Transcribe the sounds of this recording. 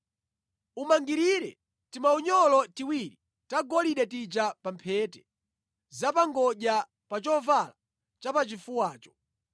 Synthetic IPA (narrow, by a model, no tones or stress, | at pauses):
umaŋɡiɾiɾɛ̰ | timauɲɔlɔtiwiɾi | taɡɔliɗɛtid͡ʒapampʰɛːtɛ̥ | zapaŋɡɔʄa | pat͡ʃɔvala | t͡ʃapat͡ʃifuwaːt͡ʃɔ̥